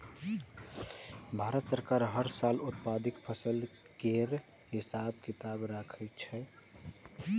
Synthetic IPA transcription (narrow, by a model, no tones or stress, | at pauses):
bʱaɾət̪səɾkaɾɦəɾsalut̪̚pad̪ikpʰəsəl | keɾ | ɦisab̚kit̪abɾakʰət͡ʃʰɛ